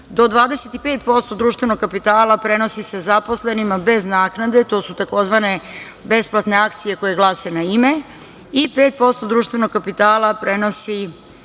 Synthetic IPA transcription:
d̪od̪ʋaːd̪e̞set̪ipeːt̪po̞st̪od̪ɾuːʃt̪ʋe̞noɡkapit̪aːlˠapɾe̞no̞sise̞zapo̞sle̞nimabe̞znaːknad̪e̞t̪o̞ːsut̪ako̞zʋane̞ | be̞splˠat̪ne̞akt̪sije̞ko̞je̞ɡlˠaːse̞naime̞ | ipeːt̪̚po̞st̪o̞d̪ɾuːʃt̪ʋe̞noɡkapit̪aːlˠapɾe̞no̞si

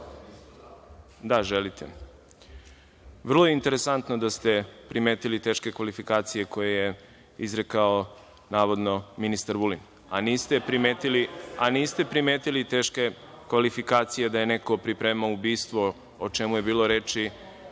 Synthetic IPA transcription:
d̪aʒelit̪ʰḛ | ʋr̩lˠojeint̪e̞ɾesant̪nod̪ast̪e̞pɾimeːt̪ilit̪e̞ːʃke̞kʋalifikaːt̪sije̞ko̞jeje | izɾekao | naːʋo̞d̪no̞minist̪aɾʋulin | aniːst̪epɾimet̪ilianiːst̪e̞pɾimeːt̪ilit̪e̞ːʃke | kʋalifikaːt̪sije̞d̪aje̞neko̞pɾipɾeːmaubiːst̪ʋo | ot͡ʃe̞mujebiːlˠoɾe̞ːt͡ʃi

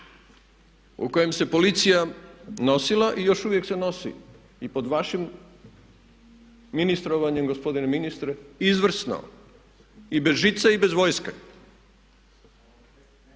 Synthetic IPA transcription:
ṵko̞jemse̞po̞lit̪sijano̞silaʔijo̞ʃuʋjekse̞no̞sḭ | ipo̞d̪ʋaʃim | inist̪ɾo̞ʋaɲemɡospo̞d̪ineminist̪ɾeizʋr̩sna̰o̰ | ibe̞zʒit̪saibe̞zʋo̞ːjske

